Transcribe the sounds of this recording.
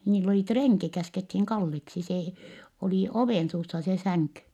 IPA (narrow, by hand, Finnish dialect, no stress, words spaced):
niːlː oliˑ treŋki kæskethiŋ kɑlːeksi seː oliˑ oʋeˑnsuːsːɑ se sæŋky